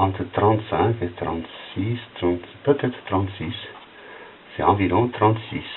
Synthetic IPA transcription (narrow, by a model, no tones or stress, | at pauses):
ɑ̃nt̪t̪rɑ̃nt̪sɛ̃ket̪ɾɑ̰̃nt̪sist̪nt̪pət̪et̪t̪ɾɑ̃nt̪sis | z̥eɑ̃viɾõt̪rɑ̃nt̪sis